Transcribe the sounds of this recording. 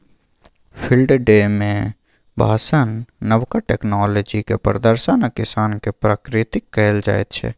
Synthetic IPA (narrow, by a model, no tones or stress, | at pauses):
pʰɪlɖɖemẽ | bʱa̰ːsənːəʋkaʈɛːknaːləd͡ʒikḛpɾəd̪əɾsanakɪsaːnkepɾaːkɾɪt̪ɪkːɛld͡ʒa̰ːḛt̪t͡ʃʰɛ̰ː